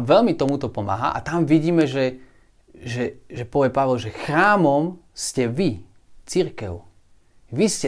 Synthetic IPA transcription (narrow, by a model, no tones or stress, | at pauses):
ʋɛʎmit̪ɔmut̪ɔpɔma̰ːɦa̰ʔa̰t̪amʋiɟiːmɛʒɛ | ʒɛʒɛpɔʋɛpaʋɛlʒɛxɾaːmɔmscɛʋi | t͡siɾkɛ̰ʊ | ʋiscɛ